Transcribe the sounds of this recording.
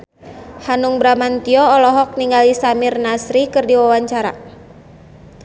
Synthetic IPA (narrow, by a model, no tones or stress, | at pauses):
hanuŋbɾamant̪iɔːlɔɦɔk̚niŋɡalisamirnasɾikɨrdiwawaɲt͡ʃaɾa̰